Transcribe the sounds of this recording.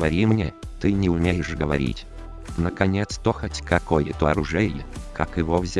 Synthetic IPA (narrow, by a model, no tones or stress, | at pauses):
vɐɾʲimnʲet̪ɨnʲɪʊmʲejɪʂɡəvɐ̰ɾʲḭtʲ | nəkɐnʲet̪st̪oxətʲkɐkojɪ̰t̪oɐ̰ɾʊʐɛɪkʰakɪvovzʲ